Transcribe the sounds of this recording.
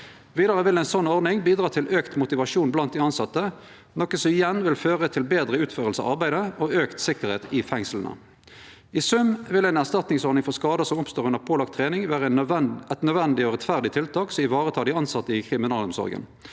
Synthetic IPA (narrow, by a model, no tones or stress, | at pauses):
ʋiːd̪ɑʁəʋɪlæɪnsɔnːɔʁdnɪŋbiːd̪ʁɑːt̪ʰɪløːkt̪mʊt̪ɪʋɑʂuːnblɑnt̪̚d̪ɪɑnsɑt̪ːə | nɔkːəsɔmɪjɛnʋɪlføːʁət̪ʰɪlbeːd̪ʁəʉːt̪føːʁəlsə̰ʔɑ̰ʁbæɪd̪əoːøːkt̪sɪkəʁheːt̪ɪfɛŋslənə̰ | ɪsʉmʋɪlæɪnæʁst̪ɑt̪nɪŋsɔɾnɪŋfɔskɑːd̪əsɔmɔpst̪oːʁʉnəʁpʰoːlɑkt̪ʰːʁeːnɪŋʋæːʁəɛt̪nœd̪ʋɛnd̪ɪɔʁɛt̪fæʁd̪ɪt̪ʰɪlt̪ʰɑːksɔɪʋɑːʁət̪ʰɑːd̪ɪɑnsɑt̪ːəɪkʰʁɪmɪnɑːlɔmsɔ̰ʁɡə̰n